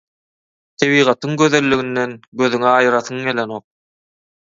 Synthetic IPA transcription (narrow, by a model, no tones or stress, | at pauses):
t̪ʰeβiːʁɑt̪ʰɯŋɡøðe̞lːyɣind̪enɡø̞ðyŋɛɑjɾɑθɯŋeleno̞q̚